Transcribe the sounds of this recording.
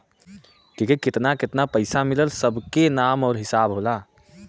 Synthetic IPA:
kikikɪt̪nakɪt̪napəɪsamiləlsəbʱkenaːmɔːɾɦɪsaːbɦola

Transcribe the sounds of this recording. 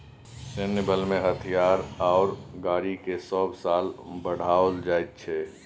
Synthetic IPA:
senəbəlmẽɦət̪ʰijaːɾaːɾɡaːɾikesɔːbʱsaːlbəɽ̤aːold͡ʒaːet̪̚t͡ʃʰɛ

